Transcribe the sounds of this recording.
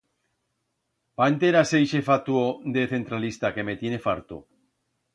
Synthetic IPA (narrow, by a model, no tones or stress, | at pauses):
pant̪eɾasejʃe̞fat̪uod̪eθe̞nt̪ɾalist̪ake̞me̞t̪je̞ne̞faɾt̪ṵ